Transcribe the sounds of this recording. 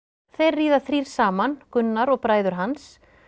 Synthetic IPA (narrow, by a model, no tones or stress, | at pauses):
θejɾːiːðaθɾiɾ̥saːmankʏnːaɾɔɣpɾaːjðʏɾ̥ɦans